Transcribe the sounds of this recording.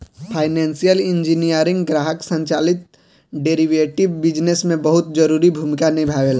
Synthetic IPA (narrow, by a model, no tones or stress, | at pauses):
pʰaːɪnɛ̃ːnsijəlɪ̃ɲd͡ʒinijəɾɪ̃ŋɡɡɾaːɦəksə̃ɲt͡ʃaːlɪt̪̚ | ɖeːɾiʋeːʈɪʋbɪd͡ʒnesmẽbɐɦʊt̪̚d͡ʒɐɾuːɾibʱumɪkanibʱaːʋeːla